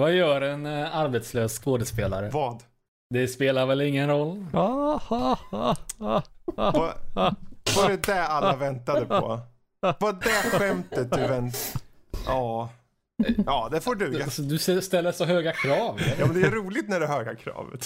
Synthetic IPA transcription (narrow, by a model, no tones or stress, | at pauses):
vajœːɾɛnaɾbɛt̪sløːsskoːd̪əspeːla̰ɾəvɑːd̪ | d̪ɛspeːlaɾvɛlɪŋːənɾɔlː | va | fɔɾɛd̪ɛalːavɛnt̪ad̪əpʰɔ̰ | vad̪ɛɧɛmt̪ət̪̚d̪ɵvɛn | ɑː | ɑːd̪ɛfoːɖʉasɔd̪ɵsɛst̪ɛlːəsɔɦøːɡakʰɾɑːvjɑmmnd̪ɛæɾuːlɪt̪næɖɛɦøːɡakʰɾɑ̰ːvə̰t̪